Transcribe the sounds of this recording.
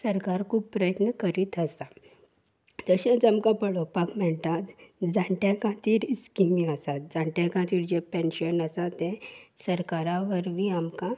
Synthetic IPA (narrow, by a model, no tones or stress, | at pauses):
səɾkaɾkʰuːb̚pːɾəjət̪nəkəɾit̪əsa | d͡z̪əɕə̃d͡zamkãpəɽopakmɛɽt̪at̪d͡zãɳʈjãkãt̪iːɾiskimĩəsat̪̚d͡zãɳʈjãkãt̪iːɾd͡ʑepẽnɕənəsat̪ɛ̃səɾkaɾãʋəɾʋiamkã